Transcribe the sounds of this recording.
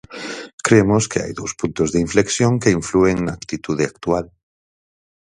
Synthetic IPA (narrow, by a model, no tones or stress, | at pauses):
kɾemʊskea̰jðowspunt̪ʊzðeiɱfleksjoŋkeiɱflueŋnaːkt̪it̪uðɪakt̪ual